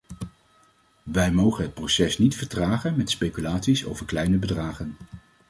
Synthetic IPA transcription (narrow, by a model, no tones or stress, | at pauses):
ʋɛjmowχənɦət̚prowsɛsnitfəɹtraːχənmɛtspejkylaːtsiso̰wvəɹklɛjnəbədraːχən